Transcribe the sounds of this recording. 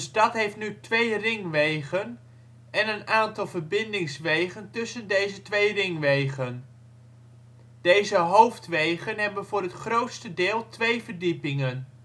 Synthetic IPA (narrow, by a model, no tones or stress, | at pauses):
sdɑtɦejftnytʋejrɪŋʋejχən | ɛnənaːntɑlˠvərbɪndɪŋsʋejχəntɵsəndejzətʋejrɪŋʋejχən | d̥ejzəɦowftʋejχənɦɛbənvʊːrɦətχrowtstədɪːlˠtʋejvərdipɪŋən